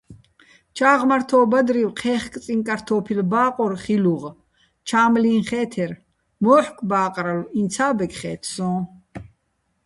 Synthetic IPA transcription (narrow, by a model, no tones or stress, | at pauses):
t͡ʃʰaːʁmaɾt̪ʰɔːbad̪ɾiwqʰɛːχkʼt͡sʼiŋkʼaɾt̪ʰɔːpʰilbaːqʼɔɾχiluʁ | t͡ʃʰaːmlĩːnχɛːt̪ʰɛɾ | mɔːħkʰʼbaːqʼɾalint͡sʰaːbɛkʰʼχɛːt̪ʰsɔ̃ː